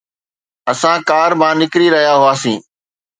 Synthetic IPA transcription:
əsãkaːɾmãːnɪkɾiːɾɐɦijaːɦʊaːsĩː

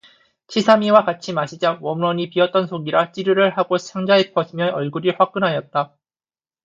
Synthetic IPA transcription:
t͡ɕʰisʰamiwakat͡ɕʰimaɕʰid͡ʑawʌmuwʌɲipiʌt̚t͈ʌnsʰoɡiɾat͡ɕ͈iɾuɾɯɭɦaɡot͡ɕʰaŋd͡ʑaepʰʌsʰimjʌʔʌɭɡuɾiɸwak̚k͈ɯnɦajʌt̚t͈a

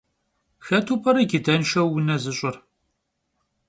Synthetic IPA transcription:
xɐtʰuːpʰʼɐɾɐɡɪdɐnʃɐwːʊnɐzɨɕʷʼʊr

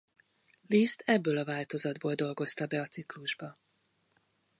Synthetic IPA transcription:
list̪ʰɛbːøːlɒvaːlt̪o̞zɒd̪boːld̪o̞lɡo̞st̪ɒbɛɒt̪sikluʒbɒ

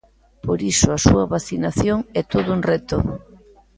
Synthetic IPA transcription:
poɾisʊasuɐβaθinaθjoŋɛt̪oðʊuŋrɛt̪o

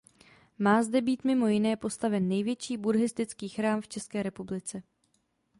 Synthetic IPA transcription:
maːzdɛbiːt̪mɪmo̞jɪnɛːpo̞st̪avɛnːɛjvjɛt͡ʃiːbuɾɦɪst̪ɪt͡skiːxɾaːmft͡ʃɛskɛːɾɛpublɪt͡sɛ

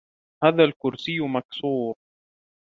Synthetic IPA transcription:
haːðaːlkʊɾsɪjːʊmaksuːɾ

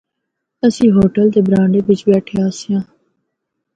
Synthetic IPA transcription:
əsĩːɦoːʈəld̪eːbɾãːɳɖeːʋɪt͡ʃbɛːʈʰeːaːsɪjãː

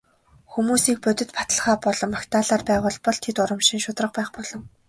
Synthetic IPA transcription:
xumuːsiːk̚pɵt̪ʲɵ̆t̪pḁt̪ə̆ɮχaːpɔɮɞ̆mːakt̪ʰaːɮaːrpæːʁʊːɮpɔɮt̪ʰet̪ʊɾə̆mʃĭŋʃʊt̪rə̆χpæːχpɔɮ̥ɞ̆ŋ

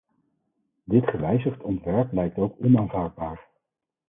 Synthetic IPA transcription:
dɪtχəʋɛjzəχtɔntʋɛɹplɛjk̚towkɔnaːnvaːɹd̚baːɹ

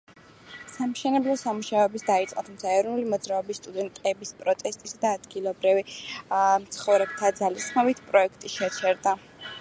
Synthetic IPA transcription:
samʃɛnɛblˠɔsamuʃaɔɛbisd̪ait̪sʼqʼɔt̪ʰumt̪sʰaɛɾɔnulimɔd̪zɾaɔbisːt̪ʼud̪ɛnt̪ʼɛbispʼɾɔt̪ʼɛst̪ʼisad̪aːd̪ɡilˠɔbɾivi | mt̪sʰχɔvɾɛbt̪ʰad̪zalisχmɔbit̪ʰpʼɾɔɛkʰt̪ʼiʃɛt͡ʃʰɛɾd̪a

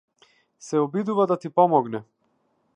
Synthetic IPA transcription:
sɛɔbid̪uvad̪at̪ipɔmɔɡnɛ

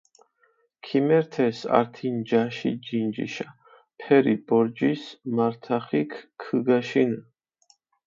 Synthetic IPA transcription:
kʰimɛɾt̪ʰɛsa̰ɾt̪ʰind͡ʒaʃḭd͡ʒind͡ʒḭʃa | pʰɛɾibɔɾd͡ʒismaɾt̪ʰaχikʰkʰːɨɡaʃin

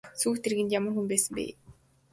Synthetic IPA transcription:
suːxt̪ʰeɾɣɘ̆nt̪jamə̆rxumpæːsɘ̆mpḭː

